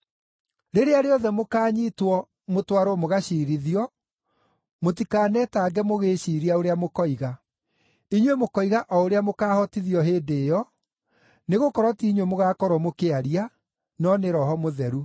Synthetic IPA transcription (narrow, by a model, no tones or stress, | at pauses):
ɾeɾeaɾeɔðɛmokaːɲiːtwɔ | motwaɾwɔmoɣaɕiːɾiðiɔ | mot̬ikaːnɛtaːɡɛmoɣeːɕiɾiaoɾeamokɔiɣa | iɲwemokɔiɣaʔɔoɾeamokaːhɔtiðiɔɦeːdeːjɔ | neɣokɔɾwɔtiɲwemoɣakɔɾwɔmokeaɾia | nɔneɾɔɦɔmoðɛɾu